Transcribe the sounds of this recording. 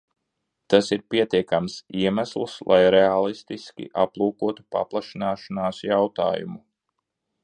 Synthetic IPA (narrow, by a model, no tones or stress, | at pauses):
t̪asiɾpiɛt̪iɛkamsiɛmæslˠslˠʔajɾɛalˠist̪iskʲḭʔaplˠuːkuɔt̪u̥pa̰plˠaʃinaːʃanaːsjawt̪a̰ːjṵmu